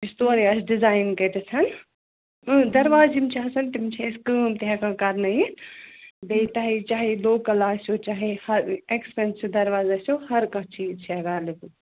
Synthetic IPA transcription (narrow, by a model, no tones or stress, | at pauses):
ɪst̪oːɾiɐsɖɪzaːɪnkɐt̪ɐsɐn | ɨd̪ɐɾʋaːzimt͡ʃʰiɦɐsɐnt̪imt͡ʃʰẽɪskəːmt̪iɦãkʰãːkɐɾnɐĩ | bet̪aːɦit͡ʃaːɦeloːkɐlaːsʲoːt͡ʃaːɦehɐɾeːkspeːnsjod̪ɐɾʋaːzaːsohɐɾkãt͡ʃiːzt͡ʃʰiɐɡaːɾliku